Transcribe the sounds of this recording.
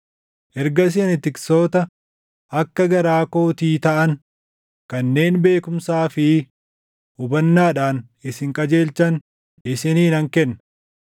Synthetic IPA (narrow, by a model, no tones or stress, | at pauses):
ʔɛɾɡɐs̬ɪɐnɪt̪ɪkso̞ːt̪ɐ | ʔɐkːɐɡɐɾaːko̞ːt̪iːt̪ɐʔɐn | kɐnːe̞ːnbe̞ːkʊmsaːfɪ | ʊbɐnːaːᶑaːn | ɪsɪŋkʼɐd͡ʒe̞ːlt͡ʃɐn | ɪsɪniːnɐŋkɛnːɐ